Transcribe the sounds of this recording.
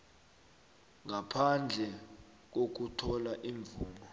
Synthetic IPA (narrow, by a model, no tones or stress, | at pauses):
ŋʱapʰand͡ɮʱɛ | k̬ok̬utʰɔlaʔiɱvuːnɔ